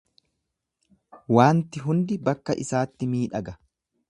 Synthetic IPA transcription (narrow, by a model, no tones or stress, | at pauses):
waːnt̪ɪɦʊnd̪ɪbɐkːɐʔɪsaːt̪ːɪmiːᶑɐɡɐ